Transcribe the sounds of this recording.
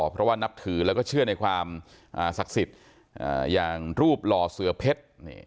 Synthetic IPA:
pʰɾɔ˦˥waː˥˩na˦˥p̚t̪ʰɯː˩˦lɛː˦˥wkɔː˥˩t͡ɕʰɯ˥˩ɐna˧jkʰwaː˧m | ʔaː˨˩sa˨˩k̚si˨˩t̪̚ | ʔa̰ː˨˩jaː˨˩ŋɾuː˥˩p̚lɔː˧sɯ˧˦˥ɐpʰe˦˥t̪̚nḭː˧˩

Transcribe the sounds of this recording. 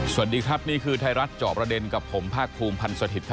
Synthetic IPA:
su˨˩t̚diː˧kʰɾa˦˥p̚niː˥˩kʰɯː˧t̪ʰa˧jɾa˦˥t̪̚t͡ɕɔː˨˩pɾa˧de˧nka˨˩pʰːo˩˦mpʰaː˥˩k̚pʰuː˧mpʰa˧nsu˧t̪ʰi˨˩kʰ

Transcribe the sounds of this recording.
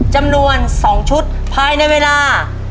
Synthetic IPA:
t͡ɕa˧mnu˧ənsɔː˩˦ŋt͡ɕʰu˦˥t̪̚pʰaː˧jna˧jweː˧laː˧

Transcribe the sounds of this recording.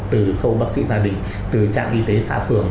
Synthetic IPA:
t̪ɨ˨˩xə˧wɓaː˦˥k̚sḭ˧˥zaː˧ɗï˨˩ŋ̟ | t̪ɨ˨˩t͡ɕa̰ː˧˨ŋʔi˧t̪e˨˦sa̰ː˧˥fɨ˨˧˩əŋ

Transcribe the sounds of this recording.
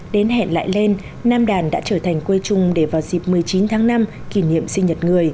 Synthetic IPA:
ɗe˨˦nɦɛ̰˧˨nla̰ː˧˨jle˧nː | aː˧mɗaː˨˩nɗa̰ː˧˥t͡ɕəː˧˩t̪ʰa˨˩ŋ̟kwə˧jt͡ɕʊ˨˩ŋ͡mɗe˧˩vaː˨˩wzi˨˩p̚mɨ˨˩əjt͡ɕi˨˦nt̪ʰaː˨˦ŋna˧mki˧˩nḭ˧˨əmsï˧ŋ̟ɲə˨˩t̚ŋɨ˨˩əj

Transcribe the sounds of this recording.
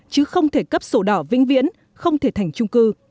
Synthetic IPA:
t͡ɕɨ˨˦xə˧wŋ͡mt̪ʰe˧˩kə˦˥p̚so˧˩ɗɔː˧˩vḭ˧˥ŋ̟vḭ˧˥ən | xə˧wŋ͡mt̪ʰe˧˩t̪ʰa˨˩jŋ̟t͡ɕʊ˧ŋ͡mkɨ˧

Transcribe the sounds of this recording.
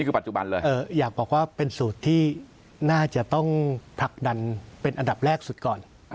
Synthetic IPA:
ni˥˩kʰɯː˧pa˨˩t̪̚t͡ɕu˨˩ba̰˧nlɤː˧jʔɤː˧˩jaː˨˩k̚bɔː˨˩k̚waː˥˩pe˧nsuː˨˩t̪ʰːiː˥˩ | naː˥˩t͡ɕa˨˩ʔt̪ɔ˥˩ŋt̪ʰa˨˩k̚da˧npe˧nʔa˧nda˨˩p̚ɾɛː˥˩k̚su˨˩t̪̚kɔː˨˩n

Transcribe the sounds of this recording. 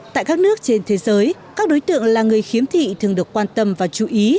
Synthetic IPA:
ta̰ː˧˨jkaː˦˥k̚nɨ˦˥ək̚t͡ɕe˧nt̪ʰe˨˦zəː˨˦jkaː˦˥k̚ɗo˨˦jt̪ɨ̰˧˨əŋlaː˨˩ŋɨ˨˩əjxi˨˦əmt̪ʰḭ˧˨t̪ʰɨ˨˩əŋɗɨ˨˩əkːwaː˧nt̪ə˧mvaː˨˩t͡ɕu˧˩ʔi˨˦

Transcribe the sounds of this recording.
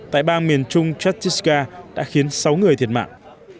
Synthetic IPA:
t̪a̰ː˧˨jɓaː˧nmi˨˩ənt͡ɕʊ˧ŋ͡mt͡ɕwa˦˥t̚t͡ɕi˦˥skaː˧ɗa̰ː˧˥xi˨˦ənsa˨˦wŋɨ˨˩əjt̪ʰi˨˩ətma̰ː˧˨ŋʔ

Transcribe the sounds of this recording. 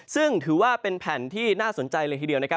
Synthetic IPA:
sɯ˥˩ŋt̪ʰɯː˩˦waː˥˩pe˧npʰɛː˩˦nt̪ʰiː˥˩naː˥˩so˨˩˦nt͡ɕa˧jlɤː˧t̪ʰiː˥˩di˧əwna˦˥kʰa˥

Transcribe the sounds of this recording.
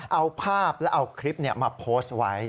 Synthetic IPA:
ʔa˧wpʰaː˥˩p̚lɛ˦˥ʔa˧wkʰɾi˦˥p̚ni˥˩ɐmaː˧pʰoː˦˥st̪̚wa˦˥

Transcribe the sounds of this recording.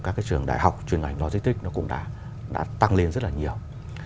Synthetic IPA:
kaː˦˥kaː˨˦jt͡ɕɨ˨˩əŋɗa̰ː˧˨jɦa˨˩wk͡p̚t͡ɕwi˨˩ənʔa̰˨˩jŋ̟lɔ˧˩zi˧˦˥t̪ï˦˥k̟̚nɔ˨˦kʊ̰˧˥ŋ͡mɗa̰ː˧˥ | ɗa̰ː˧˥t̪a˧ŋle˧nzə˦˥t̚laː˨˩ɲi˨˩əw

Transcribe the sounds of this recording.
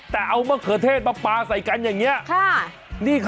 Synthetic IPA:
t̪ɛː˨˩ʔa˧wmə˦˥kʰɨ˨˩˦ət̪ʰe˦˥˩t̪̚ɓaː˧˩k͡paː˧sa˨˩jka˧˦nɲaː˨˩ŋːɲi˧˦˥əkʰaː˧˥˩ | ɗi˧˩kʰ

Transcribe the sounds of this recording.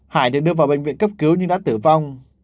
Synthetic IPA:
ha̰ː˧˩jɗ̪ɨ˨˩k̚ɗɨ˧əvaː˨˩wɓë˨˩ŋ̟vḭ˧˨nkə˦˥p̚kɨ˨˦wɲɨ˧ɗa̰ː˧˥t̪ɨ˧˩va˧wŋ͡m

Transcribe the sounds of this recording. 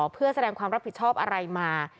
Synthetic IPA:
pʰɯ˥˩əsa˧dɛː˧ŋkʰwaː˧mɾa˦˥p̚ʰːi˨˩t̪̚t͡ɕʰɔː˥˩p̚ʔa˧ɾa˧jmaː˧

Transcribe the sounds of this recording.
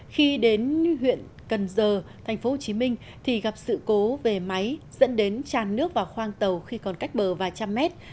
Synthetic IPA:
xi˧ɗe˨˦nɦwḭ˧˨ən | kə˨˩nzəː˨˩t̪ʰɛ˨˩jŋ̟fo˨˦ho˨˩t͡ɕi˨˦mï˧ŋ̟ | t̪ʰi˨˩ɣa˨˩p̚sɨ̰˧˨ko˨˦ve˨˩ma˨˦jzə̰˧˥nɗe˨˦nt͡ɕaː˨˩nːɨ˦˥ək̚vaː˨˩wxwaː˧ŋt̪ə˨˩wxi˧kɔ˨˩nka˦˥jk̟̚ɓəː˨˩vaː˨˩t͡ɕa˧mːɛ˦˥t̚

